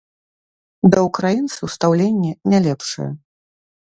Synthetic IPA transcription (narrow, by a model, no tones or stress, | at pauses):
d̪ɐukɾajint̪sɨwst̪awlʲenʲːɛnʲalʲɛpʂɨ̰jɐ̰